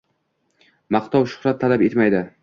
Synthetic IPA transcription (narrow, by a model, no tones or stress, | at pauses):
maqt̪ʰɒwʃʊ̥χɾat̪ʰːalape̞t̪majd̪ɪ